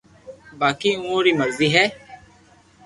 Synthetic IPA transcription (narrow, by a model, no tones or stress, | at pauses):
baːkiũoɾimɐɾziɦɛ